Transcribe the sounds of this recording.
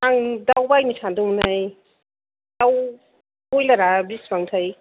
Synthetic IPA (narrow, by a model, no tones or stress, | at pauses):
aŋdawbajnisʰandumnaj | d̥aw | ojlaɾabisbaŋtʰaj